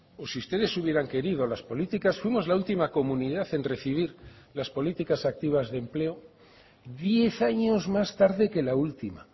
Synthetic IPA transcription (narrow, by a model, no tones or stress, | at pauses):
osiust̪e̞ðe̞suβje̞ɾaŋke̞ɾiðolaspo̞lit̪ikasfwimo̞zlault̪imako̞mũniðaθe̞nre̞θiβ̞iɾ | laspo̞lit̪ikasak̚t̪iβ̞azðe̞mple̞o | ðje̞θaɲo̞zmast̪aɾðe̞ke̞lault̪ima